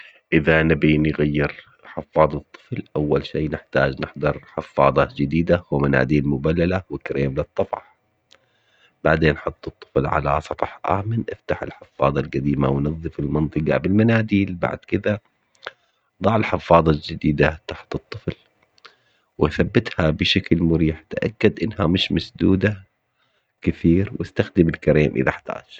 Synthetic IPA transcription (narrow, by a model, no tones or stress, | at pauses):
ʔɪðanabinɪɣajːɪɾ | ħɪfːɑːd̪ˤɑt̪ˤːɨ̥flʔawːalʃiːnɪħt̪aːd͡ʒnɪħd̪ˤɑɾˤħɪfːɑ̰ːd̪ˤɑd͡ʒɪd̪iːd̪awɪmana̰ːd̪iːlmʊbalːalawɪkɾeːmlɪt̪ˤːɑfɑ̰ħ | b̥aʕd̪eːnħʊt̪ˤːɨt̪ˤːɨflʕa̰la̰sˤɑtˤɑħʔa̰ːmɪnʔɪft̪aħɪ̰lħɪfːɑːd̪ˤɑlɡad̪iːma̰wnɨðˤːɨfɪlmɑnt̪ˤɨɡɑ̰bɪlmanaːd̪iːlba̰ʕd̪kɪd̪a | d̪ˤɑʕɪlħɪfːɑːðˤɑld͡ʒɪd̪iːd̪at̪aħt̪ɨt̪ˤːɨfl | wɪaθabːɪt̪habɪʃaklmʊɾiːħt̪ʔa̰kːad̪ʔɪnːhamɪʃmasd̪uːd̪a | kɪθiːɾwʔɪst̪axd̪ɪmɪlkaɾeːmʔɪ̰ðaħḁt̪a̰ːd͡ʒ